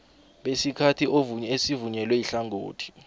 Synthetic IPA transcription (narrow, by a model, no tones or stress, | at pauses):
ɓesikʰatʰioesivuɲɛlwɛiɬaŋoːtʰi̥